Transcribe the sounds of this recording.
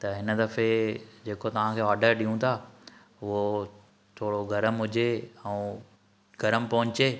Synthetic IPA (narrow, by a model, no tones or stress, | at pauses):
t̪ɐɦɪnə̆d̪ɐfed͡ʑeːkot̪ɐʋ̤ãkʰeːɔːɾɖəɾɗiũt̪ʰaː | ʋo | t̪ʰoːɽoɡʱɐɾəmɦʊd͡ʑeɛ̃ː | ɡ̥ʱɐɾəmpɐɦʊ̃ɲt͡ɕeː